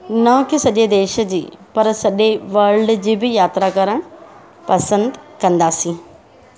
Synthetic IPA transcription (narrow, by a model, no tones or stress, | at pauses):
nɐkɪsɐʄed̪eːʃəd͡ʑḭːpɐɾsɐʄeʋɐɾɖd͡ʑiːbɪjaːt̪ɾakɐɾəɽ̃ | pɐsə̃nd̪kɐ̃nd̪aːsĩː